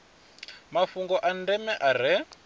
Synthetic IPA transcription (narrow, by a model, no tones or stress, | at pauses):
mafuŋɡɔʔandɛmɛʔaɾ̤ɛ